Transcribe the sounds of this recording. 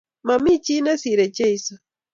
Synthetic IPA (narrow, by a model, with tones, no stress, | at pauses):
ma˨mi˦˨t͡ʃi˦na˦si˨ɾe˨t͡ʃe˦i˨sɔ˨